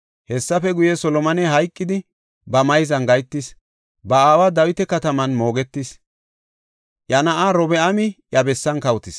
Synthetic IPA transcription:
hɛsːɐfɛɡʊjɛsɔlɔmɐnɛɦɐjkʼːɪd̪ɪ | bɐmɐjzɐnɡɐjt̪ːɪs | bɐaːwaːd̪ɐwɪt̪ɛkɐt̪ɐmɐnmo̞ːɡɛt̪ːɪs | ʔjɐnɐʔaɾɔbɛʔɐmɪjɐbɛsːɐnkɐwt̪ɪs

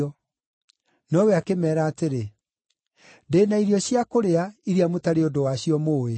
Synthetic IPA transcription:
ɔ | nɔwɛakemɛːɾaːteɾe | ndeːnaiɾiɔɕiakoɾeaiɾiamotaɾeodowaɕiɔmoːe

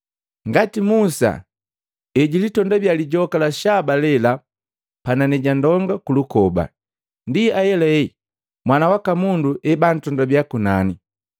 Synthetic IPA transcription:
ŋɡatimusa̰ | ɛɟilitɔndabjaliɟɔkalaʃabalɛla | pananɛɟandɔŋɡakulukɔba̰ | ndiajɛlɛi | mwanawakamunduʔɛban̩tɔndabjakunani

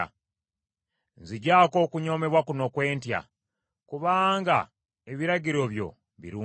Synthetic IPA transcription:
nziɟaːko̞ːkuɲo̞ːme̞βwakuno̞kwe̞ːntja̰ | kuβaːŋɡa̰ | eβiɾaɟiɾo̞βjo̞̰ | βḭɾuː

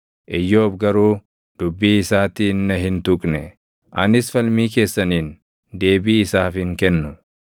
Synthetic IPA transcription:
ʔɪjːoːbɡɐɾuː | d̪̥ʊbːiːɪsaːt̪iːnːɐɦɪnt̪ʊkʼnɛ | ʔɐnɪsfɐlmiːke̞ːsːɐniːn | d̪e̞ːbiːɪsaːfɪŋkɛnːʊ

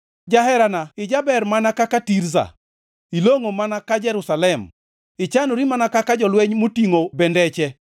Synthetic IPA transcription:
d͡ʒaɦɛɾanaɪd͡ʒabɛɾmanakakatiɾza̰ | iloŋomanakad͡ʒɛɾusalɛm | ɪt͡ʃanoɾimanakakad͡ʒɔlweɲmotiŋobɛndɛt͡ʃɛ

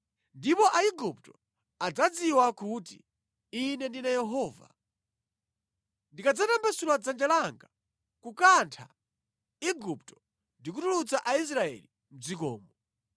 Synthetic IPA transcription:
ndipɔʔaiɡup̚tɔ | ad͡zad͡ziwakutḭ | inɛndinajɛɦɔːva̰ | ndikad͡zatambɛsulwad͡zand͡ʒalaŋɡa | kukantʰa̰ | iɡuptɔ̥ | ndik̬utulut͡saʔais̬ɾaɛ̰li | m̩d͡zikɔ̰ːmbɔ

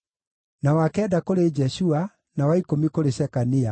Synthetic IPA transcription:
nawakɛdakoɾed͡ʒɛɕua | nawaikomikoɾeɕɛkania

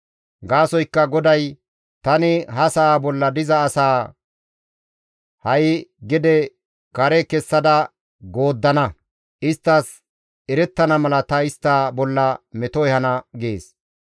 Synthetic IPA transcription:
ɡaːsɔjkːɐɡɔd̪ɐj | t̪ɐnɪɦɐsɐaːbɔlːɐd̪ɪzɐːsaː | hɐjɡɪd̪ɛ | kɐɾɛkɛsːɐd̪ɐ | ɡoːd̪ːɐnɐ | ɪst̪ːɐs | ɛɾɛt̪ːɐnɐmɐlɐt̪ɐɪst̪ːaːbɔlːɐmɛt̪ɔjhɐnɐɡeːs

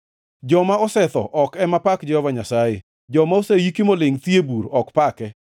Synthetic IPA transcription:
d͡ʒɔmaɔsɛt̪ɔ̰ʔɔkɛmapakd͡ʒɛhɔvaɲasaje | d͡ʒɔmaosejikimolɪŋt̪jebuɾɔkpakɛ

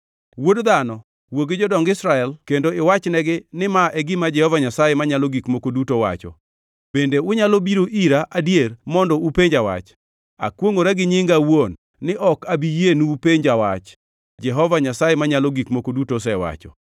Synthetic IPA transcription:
wodd̪anɔ | woɡɪd͡ʒɔdɔŋɡɪsɾaɛlkendoɪwat͡ʃnɛɡɪnɪmaʔɛɡɪmad͡ʒɛhɔvaɲasajemaɲalɔɡikmokodutowa̰t͡ʃɔ̰ | b̥endeʊɲalobiɾoʔiɾaʔadjermɔndɔupeɲd͡ʒawa̰t͡ʃ | a̰kwoŋoɾaɡɪɲɪŋɡawonː | ɪʔɔkabijenupeɲd͡ʒawa̰t͡ʃ | d͡ʒɛɦɔvaɲasajemaɲalɔɡikmokodutos̬ɛwa̰t͡ʃɔ̰

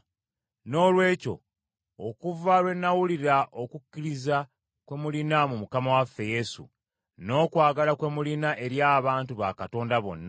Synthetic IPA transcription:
no̞ːlwe̞ːco̞̰ | okuvalwe̞nːawuliɾaʔo̞kukːiɾiza | kwe̞mulinamumukamawafːe̞je̞sṵ | no̞ːkwaːɡalakwe̞mulinaʔe̞ɾjaːβaːntuβa̰kato̞ːndaβo̞̰nːa

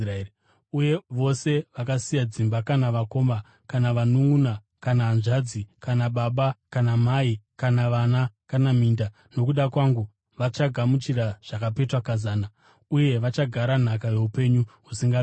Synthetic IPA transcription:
uje̞ʋo̞se̞ʋakasijad͡zimbakanaʋako̞ma | kanaʋanuŋɡuna | kanaːnʐad͡zikanaɓaɓakanamaikanaʋanakanamiːnda | no̞kuɗakwaŋɡu | ʋat͡ʃaɡʱamut͡ʃiraʐ̥akape̞twakazaːna | uje̞ʋat͡ʃaɡʱaɾan̤akaje̞upe̞ɲuɦusiŋɡa

